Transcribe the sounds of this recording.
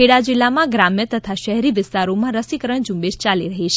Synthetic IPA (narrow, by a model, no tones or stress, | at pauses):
eɽad͡ʒɪlːamãɡɾamjət̪ət̪ʰaʃəɦɛɾiʋɪst̪aɾomãɾəsikəɾəɳd͡ʒũmbed͡ʒt͡ʃaliɾəɦit͡ʃʰe